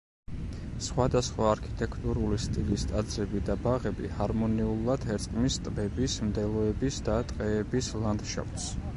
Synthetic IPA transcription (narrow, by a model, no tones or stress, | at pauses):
sχwad̪asχwaːɾkʰi̥t̪ʼɛkʰt̪ʼuɾulist̪ʼilist̪ʼad̪zɾɛbid̪abaʁɛbḭhaɾmɔniulˠad̪̥hɛɾt̪sʼqʼmist̪ʼbɛbismd̪ɛlˠɔɛbisd̪at̪ʼqʼɛːbislˠand̪ʃa̰pʰt̪s